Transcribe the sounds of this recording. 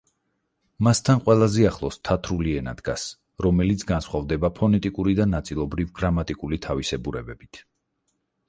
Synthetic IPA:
mast̪ʰanqʼwɛlˠazɛaχlˠɔst̪ʰat̪ʰɾuliɛna̰d̪̥ɡas | ɾɔmɛlit̪sʰɡansχwavd̪ɛbapʰɔnɛt̪ʼikʼuɾid̪anat̪sʼilˠɔbɾivɡɾamat̪ʼikʼulit̪ʰavisɛbuɾɛbɛbit̪ʰ

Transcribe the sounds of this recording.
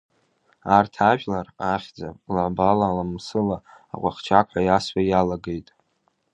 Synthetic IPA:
artʰaʒᶣʼlaraχʲd͡zapʼlaʕbalalamsɨlaa̰qʷʼa̰χʲt͡ʃʰakʷʰħʷajaswʷajalaɡe̞jtʼ

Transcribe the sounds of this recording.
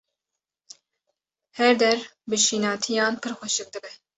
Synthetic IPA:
hɛɾd̪ɛɾbɨʃiːnɑːt̪ʰijɑːnpʰɨɾxʷɛʃɨk̚d̪ɨbɛ

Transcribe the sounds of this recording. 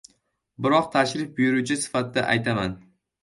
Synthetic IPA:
bɪɾɒqt̪ʰaʃɾɪfbʊjʊɾut͡ʃʰɪsɪ̥fat̪ɪd̪a̰ʔa̰jt̪ʰaman

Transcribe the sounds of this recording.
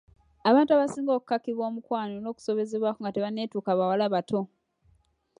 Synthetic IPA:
aβaːntuaβasiːŋɡo̞ːku̥kːakiβwo̞ːmukwaːnono̞ːku̥so̞βe̞ze̞βwaːkoŋɡateβane̞ːtuːkaβawalaβatʰo̞

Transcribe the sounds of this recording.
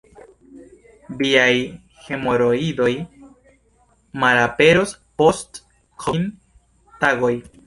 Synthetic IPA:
biaj | he̞moɾoido̞j | maɾape̞ɾo̞spo̞st | kʰon | taɡo̞j

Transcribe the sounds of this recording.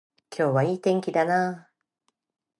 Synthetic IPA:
kʲʰo̞ːβaiːt̪ẽ̞ŋkʲid̪anaː

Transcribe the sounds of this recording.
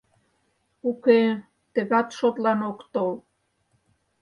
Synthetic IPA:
uke | t̪ə̆ɣɑt̪ʃot̪lɑnokt̪ol

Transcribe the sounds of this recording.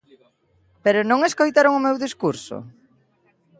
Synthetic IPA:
peɾʊnõŋeskojt̪aɾoŋʊmewðiskuɾso̰

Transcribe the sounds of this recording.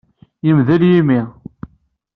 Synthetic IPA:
jəmðəljimi

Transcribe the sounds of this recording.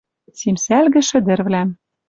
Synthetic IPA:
t͡simsælɣɘ̆ʃɘ̆d̪ɘ̆rβlæm

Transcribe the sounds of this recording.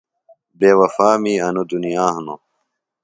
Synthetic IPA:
beːwɐfaːmiːɐnud̪unijaːɦno̰

